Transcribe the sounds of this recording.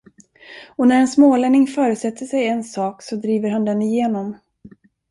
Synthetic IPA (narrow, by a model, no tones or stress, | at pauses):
ɔnæɾɛnsmoːlɛnɪŋfœːɾɵt̪sɛt̪ʰːəʂɛjɛnsɑːksɔd̪ɾiːvəɾhand̪ɛnɪjeːnɔm